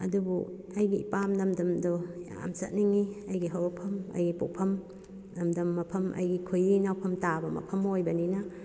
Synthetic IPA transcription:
ɐ̰dubṵ | ɐjɡiːpamnɐmdɐmdɔa̰msɐt̚niŋiɐjɡiɦawɐpʰɐmɐ̰jɡipupʰɐm | nɐmdɐmːɐpʰɐmʔɐ̰jɡikʰujinawpʰɐmtabɐmɐ̰pʰɐmojbɐninɐ

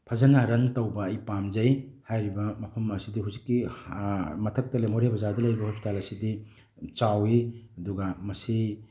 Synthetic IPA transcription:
pʰɐzɐnaɾɐntɐwbɐːjpamd͡ʒɐjhajɾibɐmɐpʰɐmɐsidiɦuwzikːi | mɐtʰɐk̚tɐlemoɾebʰɐzadɐlɐjɾibɐhospʰi̥talɐsidi | t͡ʃawiɐduɡɐmɐsi

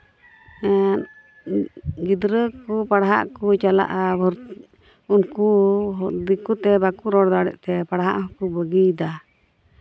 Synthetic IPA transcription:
ɛ | ɡid̪ɾəkupaɽaɦa̰ʔkut͡ʃala̰ʔabɔɾ | unkuɦd̪ikut̪ɛbakuɾɔɽd̪aɽɛ̰ʔt̪ɛpaɽaɦaʔɦɔkubəɡid̪a

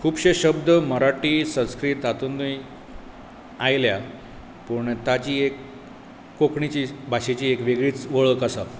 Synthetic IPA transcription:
kʰuːbɕeɕəb̚d̪əməɾaʈiːsə̃skɾiːt̪at̪und̪uj | ajlja | pəɳt̪at͡ɕiːekː | okɳit͡ɕiːbʱaɕet͡ɕiːekʋeɡɭiːt͡sʋəɭəkəsa

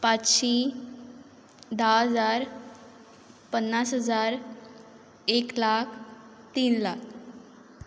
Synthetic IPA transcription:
pat͡sɕĩ | d̪aəd͡zaɾ | pənːasɦəd͡zaɾ | eklakʰ | t̪iːnlak̚ʰ

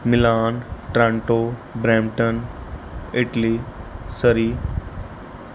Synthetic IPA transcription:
mɪlaːnʈɾãɳʈoːbɾɛ̃ːmʈən | ɪʈliːsəɾiː

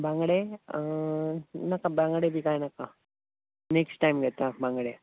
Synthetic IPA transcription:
baŋɡɽe | nakːabaŋɡəɽebikanakːa | neksʈːajmɡet̪ːabaŋɡɽe

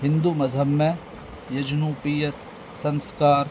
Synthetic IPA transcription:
ɦɪ̃nd̪umɐzɦəbmẽ | jɐd͡ʒnuːpijət̪̚ | sɐ̃nskaːɾ

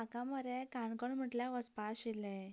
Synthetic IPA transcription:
akãməɾekaɳkəɳm̤əʈljaʋəspaselẽ

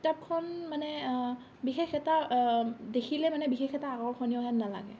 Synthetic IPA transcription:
tap̚kʰɔnmanɛ | bixexɛta | dekʰilɛmanɛbixexɛtaːɡɔɹkʰɔnijɔɦɛnnala̰ɡɛ̰

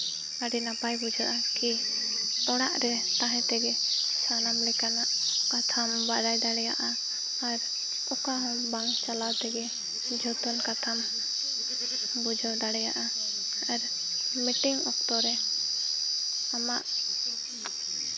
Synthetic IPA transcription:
aɖinapajbud͡ʒaʔaki | ɔɽaʔɾɛt̪aɦɛ̃t̪ɛɡɛsanamlɛkanaʔkat̪ʰambad̪ajɖ̪aɽɛjaʔa | aɾ | ɔkaɦɔmbaŋt͡ʃalawt̪ɛɡɛ | d͡ʒʱɔt̪ɔnkat̪ʰam | bud͡ʒawɖaɽɛjaʔa | aɾ | miʈiŋɔk̚t̪ɔɾɛ | amaʔ

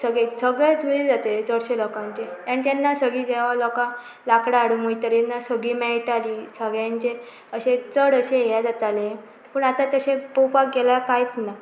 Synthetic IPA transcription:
səɡɭesəɡɭed͡zuɾid͡zat̪eet͡səɽɕelɔkãɲt͡ɕejanit̪janːasəɡiɡɛʋalɔkã | lakɽaːɽumuit̪əɾjanːasəɡɭimɛɭʈalisəɡɭjãɲt͡ɕe | əɕet͡səɽəɕejad͡zat̪ale | pəɳat̪at̪əɕẽpəwpakɡelakajt͡sna

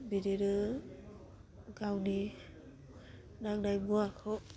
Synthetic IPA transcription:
biɾeɾɯ | ɡawni | naŋdajbuakʰɯw

